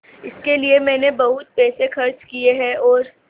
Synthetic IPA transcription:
ɪskeliemɛ̃ːnebɐɦʊt̪̚pɛːsexɐɾt͡ʃkieɦɛɔːɾ

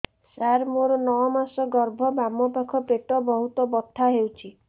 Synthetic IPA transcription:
saɾmoɾɔnɔwɔmasɔɡɔɾbʱɔbamɔpakʰɔpeʈɔbɔɦut̪ɔbɔt̪ʰːaɦewt͡ʃʰi

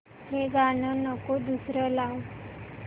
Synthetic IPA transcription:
heɡanɔnɔkod̪usɾɔlaw

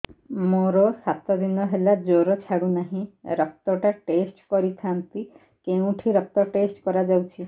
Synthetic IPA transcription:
moɾɔsat̪ɔd̪inɔɦelad͡ʒoɾɔt͡ʃʰaɽunaɦĩɾɔk̚t̪ɔʈaʈesʈkɔɾit̪ʰant̪i | keũʈʰiɾɔk̚t̪ɔʈesʈkɔɾad͡ʒawt͡ʃʰi

